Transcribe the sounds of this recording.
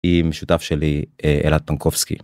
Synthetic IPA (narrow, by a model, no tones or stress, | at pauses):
imeʃut̪afʃelieʔḛlat̪̚pankovskḭ